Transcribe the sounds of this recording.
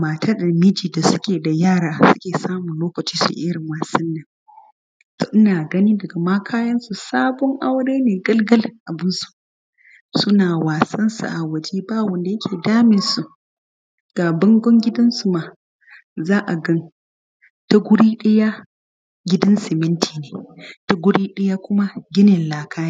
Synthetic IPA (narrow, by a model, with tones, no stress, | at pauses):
maː˨tʰaː˦da˨mɪ˦d͡ʒiː˨da˨sʊ̥˦kʲeː˨da˨jaː˦˨ɾaː˨sʊ̥˦kʲeː˨saː˦mʊ˨nloː˦kɐ˨t͡ʃiː˦sṵ˨ʔɪ˦ɽɪ˨ŋwaː˨sɐ˦nːɐ˨ŋ | to̰ː˨ʔɪ˦naː˨ɡɐ˦niː˦dɐ˨ɡa˨maː˦kʰaː˦jɐ˦nsu˨saː˦bɔ˦ŋʔa˦wɽeː˦neː˨ɡɐ˦lɡɐ˦lɪ˨ŋʔa˨bɪ˦nsu̥˨ʔ | sʊ˦naː˨waː˨sɐ˦nsṵ˨ʔa˨wɐ˨d͡ʒiː˦baː˦wɐ˨nda˨jɐ˦kʲʰeː˨daː˦mɪ˨nsu˨ʔ | ɡ̥aː˨bɐ˦ŋɡʷɔ˦ŋɡʲɪ˦dɐ˦nsu˨maː˨ | zaː˦ʔa˨ɡɐ˦n | ta˦ɡʷʊ˦ɽiː˦ɗɐ˦ja˦ | ɡʲɪ˦dɐ˦nsɪ˨mɪ˦ntʰiː˨neː˨ta˦ɡʷʊ˦ɽiː˦ɗɐ˦jaː˦kʷʊ˦ma˦ɡʲɪ˦nɪ˨nlaː˨kʰaː˦j